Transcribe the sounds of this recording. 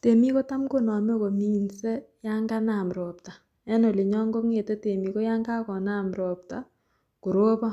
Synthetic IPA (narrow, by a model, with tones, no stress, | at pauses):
te˨mi˦ko˦ta˦mko˦nɔ˨me˦ko˨mi˦nse˦ja˦ŋɡa˦na˨mɾɔː˨p̚ta˨ | ɛ˦no˨li˨ɲɔ˦ŋɡo˦ŋe˨te˦te˨mi˨ko˦ja˦ŋɡa˦kɔ˨na˦mɾɔ˨p̚ta˨ | ku˨ɾoː˦bɔ˦